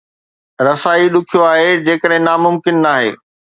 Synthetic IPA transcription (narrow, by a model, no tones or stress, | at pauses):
ɾɐsaːiɗʊkʰijoaːɦed͡ʑeːkəɗɦɪ̃naːmʊmkɪnːaːɦḛː